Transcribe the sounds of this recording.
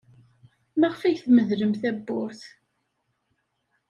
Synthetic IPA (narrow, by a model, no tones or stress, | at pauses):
mæʁfæjθməðləmθæbːʊɾθ